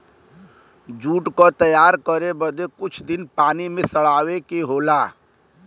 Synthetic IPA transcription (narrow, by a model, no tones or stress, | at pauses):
d͡ʒuːʈkot̪əjaːɾkəɾebəd̪ekʊt͡ʃʰd̪ɪnpaːnimẽsəɽ̤aːwekeɦoːlaː